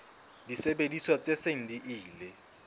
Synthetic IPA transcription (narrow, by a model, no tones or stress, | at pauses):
disebediswat͡seseŋ̩diʔiːlɪ